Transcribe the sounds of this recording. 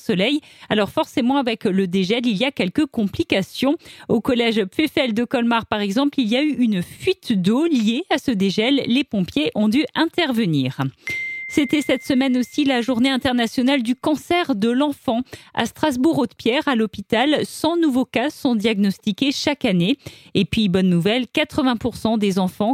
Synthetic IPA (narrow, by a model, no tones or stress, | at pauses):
sɔlɛjalɔʁfɔʁsemɑ̃avɛkləd̪eʒɛliliakʲɛlkəkɔ̃plikasjɔ̃okɔlɛʒpfefɛld̪əkɔlmaʁpaʁɛɡzɑ̃plilijayʔynfɥit̪d̪olijeasəd̪eʒɛlːepɔ̃pjeʔɔ̃d̪yɛ̃t̪ɛʁvəniʁ | set̪ɛsɛt̪səmɛnosilaʒuʁneɛ̃t̪ɛʁnasjɔnald̪ykɑ̃sɛʁd̪əlɑ̃fɑ̃a̰st̪χazbuʁot̪pjɛʁalɔpit̪alsɑ̃nuvokasɔ̃d̪jaɡnɔst̪ikʲeʃakaneepɥibɔnːuvɛlkat̪χəvɛ̃puʁsɑ̃d̪ezɑ̃fɑ̃